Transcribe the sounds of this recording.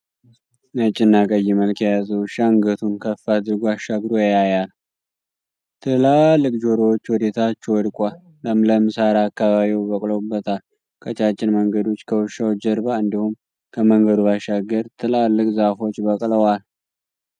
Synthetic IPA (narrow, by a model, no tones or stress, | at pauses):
nət͡ʃʼːɪnːakʼəjːiməlkʰejazəwɨʃaŋɡət̪ʰunkʰəfad̪ɨɾɡoaʃːaɡɾojjajal | t̪ʰɨlalːɨkʼd͡ʒoɾowt͡ʃːwɔd̪et̪ʰat͡ʃːwɔd̪kʷʼalːəmləmɨsaɾaːkːaβaβiwbəkʼlobːət̪ʰal | kʰət͡ʃʼat͡ʃʼːɪnməŋɡəd̪o̞t͡ʃːkʰəwʊʃawd͡ʒəɾbaɨnd̪ihum | kʰəməŋɡəd̪uβaʃːaɡːəɾt̪ʰɨlalːɨkʼzafo̞t͡ʃːbəkʼləwal